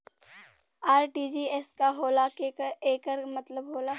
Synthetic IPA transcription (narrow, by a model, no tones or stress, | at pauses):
aːɾʈiːd͡ʒiɛskaɦoːlakeeːkəɾmɐt̪ləbɦoːla